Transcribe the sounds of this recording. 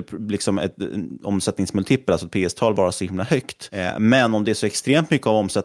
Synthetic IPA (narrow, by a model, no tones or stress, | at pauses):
lɪksɔmɛ̰t̪ɔ̰msɛt̪nɪŋsmɵlt̪ʰiːpːəlalsɔɛt̪pʰeːɛst̪ʰɑːlvɑːɾasɔhɪmlahœkt̪mɛnːɔmd̪ɛæʂɔɛkst̪ɾeːmt̪mʏkːəavɔmsɛt̪